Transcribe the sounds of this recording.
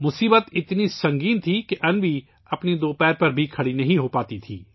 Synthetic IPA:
mʊsiːbət̪ɪt̪nisɐ̃ŋɡiːnt̪ʰikeʔɐnʋi | ɐpned̪oːpɛːɾpɐɾbʱikʰɐɽinɐɦĩɦoːpaːt̪it̪ʰḭː

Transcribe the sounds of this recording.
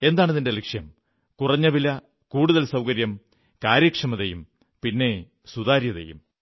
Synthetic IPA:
e̞nd̪aːɳɐðinde̞likʂjɐm | kurɐɲːɐʋilɐ | kuːɽuðɐlsɐwkɐɾjɐm | kaːɾjɐkʂɐmɐðejum | pinːe̞ | suðaːɾjɐðḛjṵm

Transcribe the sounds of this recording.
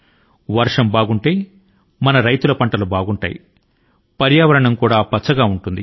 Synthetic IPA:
ʋɐɾʂɐmbaːɡuɳʈe̞ː | mɐnɐɾɐjt̪ulɐpɐɳʈɐlubaːɡuɳʈa̰ːjḭ | pɐɾjaːʋɐɾɐɳɐmkuːɽaːpɐt͡ʃːɐɡaːuɳʈund̪i

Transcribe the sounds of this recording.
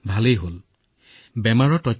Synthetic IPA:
bʱalejɦol | bɛmaɹɔtɔt

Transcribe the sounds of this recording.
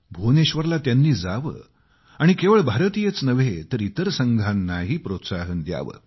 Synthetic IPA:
bʱoneɕʋəɾlat̪janːiːd͡zaʋə̰ | aɽ̃ikeʋəɭbʱaɾət̪ijet͡snəʋet̪əɾit̪əɾsəŋɡʱanːaɦiːpɾot̪saɦənd̪ja̰ʋə̰

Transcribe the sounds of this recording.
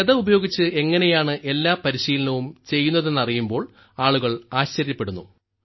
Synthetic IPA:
eðɐubɐjo̞ːɡit͡ɕːɨe̞ŋːɐne̞jaːɳɨʔe̞lːaːpɐɾiɕiːlɐnɐʋumt͡ɕe̞jːunːɐðe̞nːɐrijumbo̞ːɭ | aːɭuɣɐɭaːɕt͡ɕɐɾjɐpːeɽunːṵ

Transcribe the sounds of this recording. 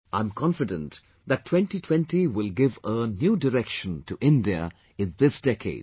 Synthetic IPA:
ãɪ̃mkʰɑ̃nfɨdə̰̃nt | ðɨtʰːw̥ɛ̃ntitʰw̥ɛ̃ntiwɪlˠɡɪvənjuːdəɾɛkʃə̃ntʰuʔɪ̃ndiə̰ | ɪ̃nðɪsd̥ɛkʰḛɪd̥

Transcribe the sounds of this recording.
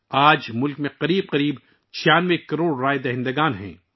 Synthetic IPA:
aːd͡ʒmʊlkmẽqɐɾiːb̚qɐɾiːb | t͡ʃʰijaːnʋekɐɾoːɽɾaːed̪ɐɦɪ̃nd̪əɡaːnɦɛ̰̃ː

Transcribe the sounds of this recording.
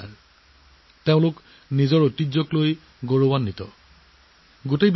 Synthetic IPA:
ɹ | teʊ̃lʊk | nizɔɹotid͡ʒɔkloj | ɡoɹowanːitɔ̰ | ɡutejb

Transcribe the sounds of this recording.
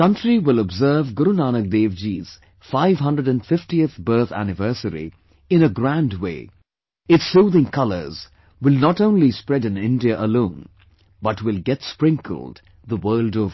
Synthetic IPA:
kʌ̃ntɹiwɪlɔbzəːvɡʊɾunaːnək̚d̪eːvd͡ʒiːz̥ | faɪvɦʌ̃ndɹəɾæ̃nfɪftiɨθbɜ˞θæ̰nɨvɜ˞səɾḭ | ɪ̃nəɡɾæ̃ndwḛɪ | ɪtsuːðɪ̃ŋkʰʌlə̰˞z | wɪlnɔtõʊ̃nlispɹɛdɨ̃nɪ̃ndiəʔəlõːn | bʌtwɪlˠɡɛtspɹɪ̃ŋkʰə̰l̩ˠd | ðəwɜːldɔv

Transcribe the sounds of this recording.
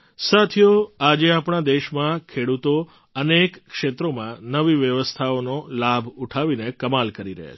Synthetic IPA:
sat̪ʰjoad͡ʒeapɳ̃ad̪eʃmãkʰeɽut̪o | ənekːʃet̪ɾomãnəʋiʋjəʋəst̪ʰaonolabʱuʈʰaʋinekəmalkəɾiɾə̰ɦḛ

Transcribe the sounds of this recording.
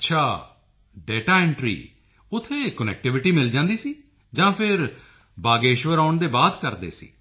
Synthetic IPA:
ətːʃʰaː | ɖɛːʈaːɪ̃ɳʈɾḭː | ʊt̪ʰːeːkənɛ̰ːk̚ʈɪʋɪʈiːmɪld͡ʒãːnd̪iːsiː | d͡ʒãːpʰɪɾ | baːɡeːʃʋəɾaːʊɳd̪eːbaːd̪kəɾd̪ḛːsḭː

